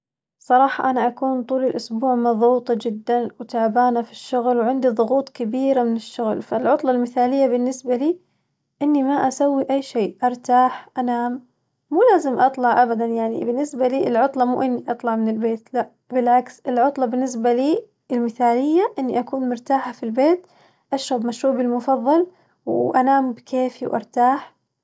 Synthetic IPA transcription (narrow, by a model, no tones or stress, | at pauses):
sˤɑɾˤɑːħɑʔanaʔakuːnt̪ˤuːlɪlʔʊsbuːʕmɑðˤuːt̪ˤɑd͡ʒɪd̪ːanwt̪aʕbaːnafi̥ʃːʊɣlwʕɪnd̪iðˤʊɣuːt̪ˤkabiːɾamɪnɪʃːʊɣlfalʕʊt̪ˤlɑlmɪθaːlɪjːabɪnːɪsbaliː | ʔɪnːimaʔasawːiʔajːʃeːʔɑɾˤt̪aːħʔanaːmː | uːlaːzɪmʔɑt̪ˤlɑʕʔabad̪anjaʕnḭbɪnːɪsbaliːɪlʕʊt̪ˤlɑmṵʔɪnːiʔɑt̪ˤlɑʕmɪnɪlbeːt̪laʔ | bɪlʕaksɪlʕʊt̪ˤlɑbɪnːɪs̬baliː | ɪlmɪθaːlɪjːaʔɪnːiʔakuːnmʊɾt̪aːħafilbeːt̪ | ʔaʃɾɑbmaʃɾuːbɪlmʊfɑðˤːɑl | wʔanaːmbkʰeːfiwʔɑ̰ɾˤt̪aːħ